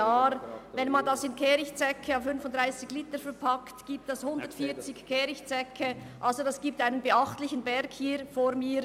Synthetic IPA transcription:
aːɾvɛnmɑndɑsɪnkʰɛːɾɪçtt͡sɛkʰəaʊfʏnfʊntd̥ʁaɪsɪçliːtəfɛɾpʰɑktɡ̥iːp̚tɛshʊndətfiːt͡sɪçkʰɛːɾɪçtt͡sɛkʰəʔɑlzodasɡ̥iːp̚taɪnənbeɑχtlɪçən̩bɛɾkhiːɾfoːɾmiː

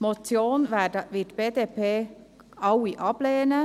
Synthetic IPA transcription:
mɔt̪t͡sjoːnʋæːdəʋɪtb̥eːd̪eːpʰeː | ɑwiʔɑb̥leːnə

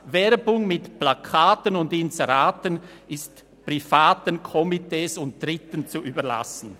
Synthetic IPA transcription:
vɛɐbʊŋmɪtplakʰaːtənʊndɪnzɛʁaːtən | ɪst | pʁ̥ifaːtənkʰɔmiteːsʊnt̚d̥ʁɪtənt͡suʔyːbɐʁla̰sn̩

